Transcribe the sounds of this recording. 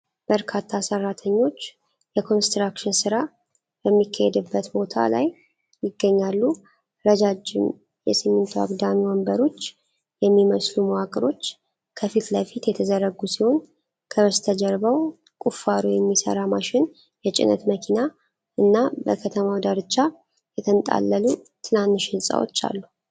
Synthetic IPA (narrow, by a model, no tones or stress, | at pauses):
b̥əɾkʰat̪ʰːasərːat̪ʰəɲːo̞t͡ʃː | jɛkʰo̞nst̪ɾakʃɪnsɨɾa | bɛmːikʰːahɛd̪ɨbːət̪bo̞t̪ʰa̰la̰j | jɪɡːəɲːalːu | ɾəd͡ʒad͡ʒɪm | jɛsɨmːɨnt̪ʰwa̰ɡd̪amiwombəɾo̞t͡ʃː | jɛmːiməsluməwakʼɨɾo̞t͡ʃː | kʰəfit̪ləfit̪jɛt̪ʰəzəɾəɡusiho̞n | kʰəβəst̪ʰəd͡ʒəɾβəw | kʼufaɾujɛmːisə̰ɾamaʃɪn | jɛt͡ʃʼɪ̰nə̰t̪məkʰina | ʔɨnːabəkʰət̪ʰəmawd̪aɾt͡ʃːa | jɛt̪ʰənt̪ʼa̰lːəlu | t̪ʰɨnanːɨʃɪnsʼa̰wo̰t͡ʃːa̰lːu